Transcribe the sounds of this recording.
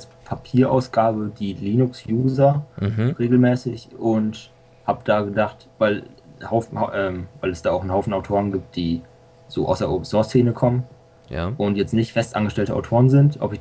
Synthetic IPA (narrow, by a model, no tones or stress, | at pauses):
aspʰapʰiːɐʔa̰ʊsɡ̥aːbədiːliːnʊksjuːzɐʁeːɡl̩mɛːsɪçʔʊnt | haːbəd̥aːɡədaχt | vaɪlhaʊfn̩haʔɛːmvaɪlɛsd̥aːaʊχnhaʊfn̩aʊtʰoːʁənɡiːp̚t̚d̥iː | z̥oːʔa̰ʊsd̥eɐʔoːpn̩sɔɐst͡seːnəkʰɔmən | jʔʊntjɛt͡stnɪçtfɛstʔa̰nɡəʃtɛltəʔa̰ʊtʰoːʁənzɪntʔɔ̰pɪç